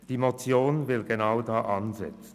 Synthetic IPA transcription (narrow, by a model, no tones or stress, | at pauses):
d̥iːmot͡sjoːnvɪlɡenaʊdaːʔanzɛ̰t͡sn̩